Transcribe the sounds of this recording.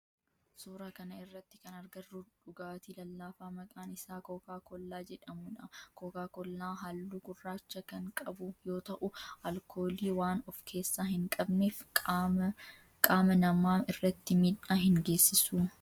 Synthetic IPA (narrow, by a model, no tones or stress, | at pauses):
suːɾaːkɐnɐɪrːɐt̪ːɪkɐnɐɾɡɐrːuːᶑʊɡaːt̪iːlɐlːaːfaːmɐkʼaːnɪsaːkɔkaːkɔlːaːd͡ʒɛᶑɐmʊᶑɐkɔkaːkɔlːaːɦɐlːuːɡʊrːaːt͡ʃːɐkɐŋkʼɐbʊjo̞ːt̪ɐʔʊɐlkʰo̞ːliːwaːnɔfkʰe̞ːsːaːhɪŋkʼɐbneːf | kʼaːmɐnɐmaːnɪrːɐt̪ːɪmit̪ːaːhɪŋɡe̞ːsːɪsuː